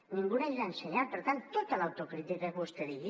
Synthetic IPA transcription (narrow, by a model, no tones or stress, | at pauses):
niŋɡunajɾanseɲapəɾt̪ant̪ːot̪əlawt̪okɾit̪ikəɣust̪əðiɣi